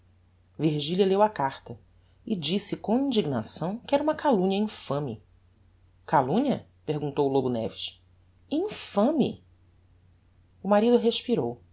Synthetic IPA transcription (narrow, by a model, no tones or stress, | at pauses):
viɾʒiliɐlewɐkaχt̪ɐ | ɪd͡ʒisɪkõw̃ĩd͡ʒiɡnasɐ̃w̃kɪɛɾɐũmɐkalũɲɐĩfɐ̃mɪ̰ | kalũɲɐ | pehɡũnt̪owlobunɛ̰viʃ | ĩfɐ̃mɪ̰ | ʊmaɾid̪ʊɦeʃpiɾow